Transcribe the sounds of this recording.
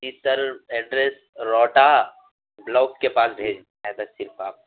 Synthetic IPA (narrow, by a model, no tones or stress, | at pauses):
it̪əɾɛːɖɾeːs | ɾɔːʈa | blɔːk̚kepaːsbʱeːd͡ʒaɦɛt̪asɪɾpʰaːp̚